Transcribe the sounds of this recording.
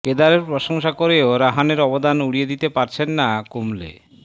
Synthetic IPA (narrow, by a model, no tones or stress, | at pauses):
ked̪aɾeɾpɾoʃoŋʃakoɾeoɾaɦaneɾɔbod̪anuɽijed̪it̪epaɾt͡ɕʰenːakumlḛ